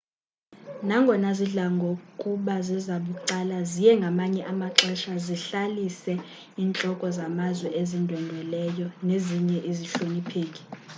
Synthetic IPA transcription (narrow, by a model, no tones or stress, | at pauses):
naŋɡʱɔnaziɮaŋɡʱokʼuɓazizaɓuǀalazijɛŋɡʱamaɲɛʔamaǁɛʃaziɬalisɛ | iːnt͡ɬʼɔkʼɔzamazwɛʔezindʱwɛndʱwɛlɛjɔneziɲɛʔiziɬonipʰeːkʼi̥